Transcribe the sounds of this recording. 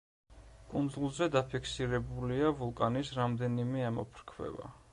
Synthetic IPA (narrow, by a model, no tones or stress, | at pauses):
kʼund̪zulˠzɛd̪apʰikʰsiɾɛbuliavulˠkʼanisɾamd̪ɛnimɛamɔpʰɾkʰwɛ̰ba̰